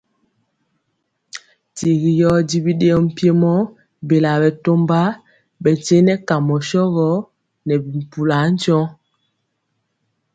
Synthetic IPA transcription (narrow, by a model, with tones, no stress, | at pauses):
ti˨ɣi˨jɔ˦di˦bi˦ɗe˦ɔ˦m̩˨pje˦mɔ˦ | be˨la˨bɛ˨to˦mba˦ | bɛ˨te˦nɛ˦ka˨mɔ˨ʃɔ˦ɣɔ˦ | nɛ˨bi˨m̩˨pu˨la˨˦n̩˦d͡ʒɔ˦